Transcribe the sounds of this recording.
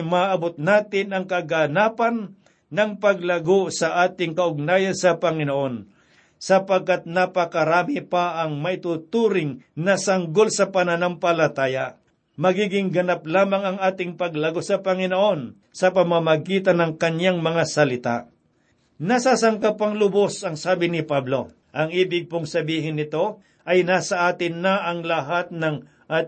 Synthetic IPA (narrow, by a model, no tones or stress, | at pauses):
maʔɐbot̪̚naːt̪ɪnɐŋkɐɡanaːpɐnː | ɐŋpɐɡ̚lɐɡosɐʔaːt̪ɪŋkɐʔʊɡ̚naːjɐnsɐpɐŋɪnoʔon | sɐpɐɡ̚kːat̪̚nɐpɐkɐɾaːmipaʔɐŋmɐʔɪt̪ut̪uːɾɪŋnɐsɐŋɡolsɐpɐnɐnaŋpɐlɐt̪aːja | mɐɡiːɡɪŋɡɐnap̚laːmɐŋɐŋaːt̪ɪŋpɐɡlɐɡosɐpɐŋɪnoʔo̞n | sɐpɐmamɐɡiːt̪ɐnɐŋkɐɲaŋmɐŋasɐlɪt̪a̰ʔ | nɐsasɐŋkapːɐŋlʊbosɐŋsaːbɪnɪpablo̞̰ | ʔɐŋiːbɪɡ̚poŋsɐbiːɦɪnːɪt̪o̞ | ʔɐjnaːsɐʔaːt̪ɪnːɐʔɐŋlɐɦat̪̚nɐŋ | ʔa